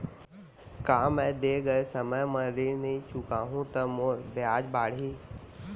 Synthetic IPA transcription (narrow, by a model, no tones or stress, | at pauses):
kaːmɛ̃ːd̪eːɡəesɐməjmãːɾinĩt͡ʃʊkaːɦũt̪ɐmoːɾbɪaːd͡ʒbaːɽ̤iː